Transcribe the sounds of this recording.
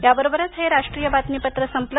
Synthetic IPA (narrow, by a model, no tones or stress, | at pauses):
jabəɾobəɾət͡sɦeɾaʂʈɾijəbat̪mipət̪ɾəsəmplə